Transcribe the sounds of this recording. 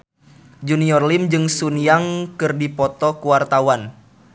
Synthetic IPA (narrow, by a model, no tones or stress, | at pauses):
d͡ʒuniɔrlimd͡ʒɨŋsuniaŋkɨrdipɔt̪ɔkuwart̪awan